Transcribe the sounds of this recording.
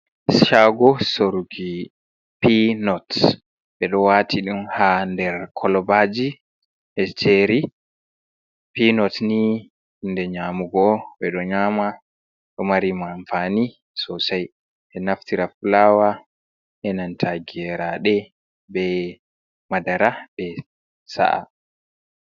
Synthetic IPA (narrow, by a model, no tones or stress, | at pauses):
ʃaɡɔsoɾuɡi | pinɔt | ɓɛɗɔwatʰiɗumhandɛɾkʰɔlɔbad͡ʒi | ʔɛt͡ʃʰeɾi | pinɔtni | ndɛɲamuɡɔɓɛɗɔɲaːma | ɗɔmaɾimanfani | sɔsaj | ʔɛnaftiɾafulaːwa | ʔɛnantʰaɡɛɾaɗɛ | bɛ | madaɾaɓɛ | sa̰ʔa̰